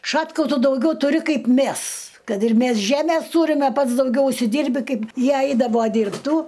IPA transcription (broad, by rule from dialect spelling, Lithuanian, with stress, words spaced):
ˈʃɑːtkɐʊ ˈtʊ dɐʊˈɡʲɛʊ tʊˈrʲɪ ˈkɐɪp ˈmʲæs ˈkɐt ɪr ˈmʲæs ˈʒʲæmʲeːs ˈtuːrʲɪmʲɛ ˈpɐts dɐʊˈɡʲɛʊ ʊʃʲsʲɪˈdʲiːrʲbʲɪ ˈkɐɪp ˈjiɛ ˈɐɪdɐʋoː dʲiːrpˈtuː